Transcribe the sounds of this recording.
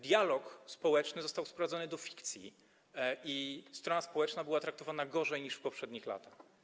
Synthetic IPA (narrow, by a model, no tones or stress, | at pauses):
d̪ʲjalɔkspɔwɛt͡ʂnɘzɔst̪awspɾɔvad̪zɔnɘd̪ɔfʲi̥kt̪sʲjḭ | ist̪ɾɔnaspɔwɛt͡ʂnabɘwat̪ɾak̚t̪ɔvanaɡɔʐɛjɲiʂfpɔpʂɛd̪ɲixla̰t̪ax